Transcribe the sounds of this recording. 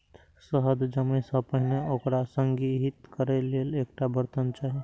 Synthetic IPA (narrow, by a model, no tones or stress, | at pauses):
səɦəd̪d͡ʒəməɪsə̃pəɦneokɾasəŋɡiɦit̪kəɾɛlelek̚ʈabəɾt̪ənt͡ʃaːɦi